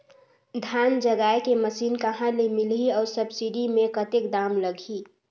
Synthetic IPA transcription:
d̪ʱjaːnd͡ʒəɡaːjkeməsiːnkəɦãlemɪliɔːɾsəbsiɖimẽkət̪ɪkd̪aːmləɡʱi

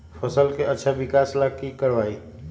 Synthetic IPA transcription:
fəsəlkeʔɐtːʃʰaʋɪkaːslaːkikəɾʋaːiː

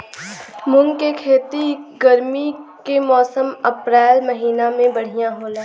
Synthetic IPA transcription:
mʊ̃ŋɡkekʰeːt̪iɡəɾmikemɔːsəməpɾɛːlməɦiːnamẽbɐɽ̤ijãɦõːlẽː

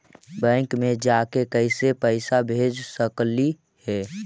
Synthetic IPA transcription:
bə̃ŋkmed͡ʒakekəɪsepəɪsabʱed͡ʒsəkli | hɛ

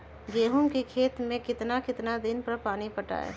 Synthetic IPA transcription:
ɡeːɦʊmkikʰeːt̪mẽkɪt̪nakɪt̪nad̪ɪnpɐɾpaːnipəʈa̰ːḛ

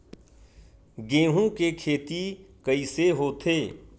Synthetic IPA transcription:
ɡẽːɦũkekʰeːt̪ikəiseɦoːt̪ʰeː

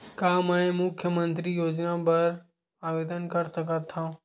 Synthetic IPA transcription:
kaːmaːẽmʊkʰjəmə̃nt̪ɾijoːd͡ʒnapɐɾ | aːʋeːd̪ənkəɾsəkat̪ʰãː

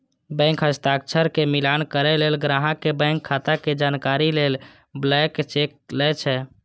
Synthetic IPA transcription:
bə̃ŋkɦəst̪ak̚t͡ʃʰəɾkemilankəɾɛlelɡɾaɦãkebə̃ɪ̃ŋkʰːat̪aked͡ʒankaɾilel | blɛkt͡ʃek̚lɛt͡ʃʰɛ

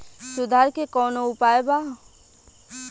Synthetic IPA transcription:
sʊd̪ʱaːɾkekɔːnoʊpaːeba

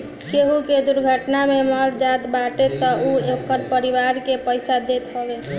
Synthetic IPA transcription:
keɦuked̪uɾɡʱəʈnameməɾd͡ʒat̪baʈet̪ɔʔuekəɾpəɾiwaɾkepəɪsad̪et̪ɦɔbe

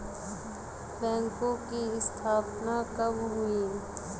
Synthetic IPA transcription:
bɛ̃ːŋkõkiɪst̪ʰaːpnakəmɦuiː

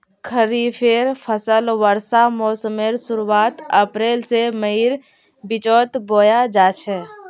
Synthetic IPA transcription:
kʰəɾipʰeɾpʰəsəlʋəɾsamoːsəmeɾsʊɾuaːt̪əpɾeːlseməɦiɾ | bɪt͡ʃɔːt̪boːjad͡ʒaːt͡ʃʰɛ

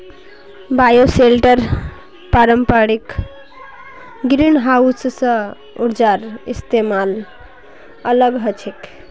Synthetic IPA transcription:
bajoselʈəɾ | paɾəmpaɽik | ɡɾinɦaussə̃ | uɾd͡ʒaɾist̪emal | ələɡɦət͡ʃʰik

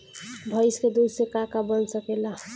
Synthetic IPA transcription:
bʱʌjsked̪usekakabənsəkela

